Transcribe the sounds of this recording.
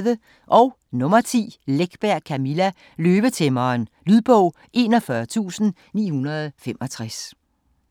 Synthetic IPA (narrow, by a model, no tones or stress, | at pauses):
ðə | ʔɒ̽ʊ | nɔ̽mɐt͡sʰḭːleɡ̥b̥æɐ̰kʰæmilæ | løːb̥ət͡sʰemɐːnlyðˠb̥ɔʊ̰ | ʔe̝ːnɒfɶɐt͡sʰṵːsn̩ | nḭːhunɐðˠfem̰ʔɒ̽t͡sʰʁas